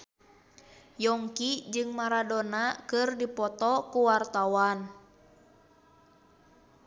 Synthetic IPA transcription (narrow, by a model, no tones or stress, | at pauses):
jɔŋkid͡ʒɨŋmaɾadonakɨrdipɔt̪ɔkuwart̪awan